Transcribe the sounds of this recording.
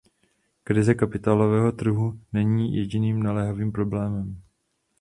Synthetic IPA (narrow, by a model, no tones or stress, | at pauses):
kɾɪzɛkapɪt̪aːlo̞vɛːɦo̞t̪r̩ɦunɛɲiːjɛɟɪniːmnalɛːɦaviːmpɾo̞blɛːmɛm